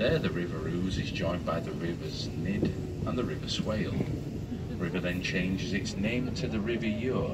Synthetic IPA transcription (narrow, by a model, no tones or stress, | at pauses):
ðə˞ðɨɹɪvəɹʉːzɪzd͡ʒɔ̃ɪ̃nbaɪðəɹɪvəz | nɪd | ə̃nðəɹɪvəsweɪlˠ | əɹɪvə˞ðɨ̃nt͡ʃʰẽɪ̃nd͡ʒɪzɪtsnẽɪ̃mtʰɨðəɹɪvəjɔɹ